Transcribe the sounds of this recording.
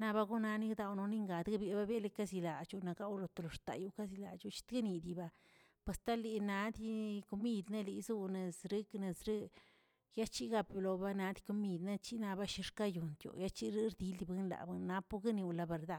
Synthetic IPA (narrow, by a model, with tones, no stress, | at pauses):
na˧ba˦ɡu˦na˧ni˦d̪a˧wno˧ni˦ŋɡa˨d̪ɡa˦bje˧˨ba˦be˦le˦ka˦zi˧la˨t͡ʃu˧na˨ka˦wlo˧t̪o˨lo˨ɾt̪a̰˨ju˦ka˦z̬i˧la̰˨t͡ʃu˦t͡ʃi̥˦t̪ɡe˦ni˧d̪i˨ba˧ | pwe˧˨st̪a˦li˧na˧˦d̪i˦ko˧mi˦˧d̪ne˦li˧˦zu˦ne˨sɾi˦kne˧sɾi˦ | ja˦t͡ʃi˦ɡa˧pju˧lo˧˨ba˦na˧˦d̪i̥˦ko˧mi˧d̪na˦t͡ʃi˦na˧ba˦ʃi˧ɾka˦ju˨nt̪jo̰˨ja˦t͡ʃi˦ɾi˦ɾd̪i˦li˧bɨ˦nla̰˨bɨ˦nnːa˦pu˦ɡa˦ni˧wla˧be˨ɾd̪a˧˨